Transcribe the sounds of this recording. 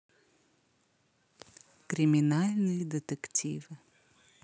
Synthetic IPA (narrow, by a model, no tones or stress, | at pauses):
kɾʲimʲinalʲnɨjd̪ət̪ɨktʲʰḭvɨ